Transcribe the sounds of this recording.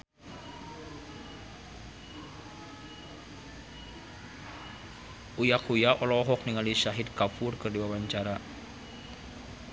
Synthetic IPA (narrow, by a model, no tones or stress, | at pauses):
ʔujakujaʔɔlɔɦɔk̚niŋaliʃaɦid̪̚kafurkɨrdiwawaɲt͡ʃaɾa